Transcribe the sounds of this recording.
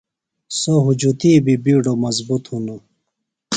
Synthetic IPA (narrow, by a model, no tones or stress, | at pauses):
soɦud͡ʑut̪iːbibiːɖomɐzbut̪hunu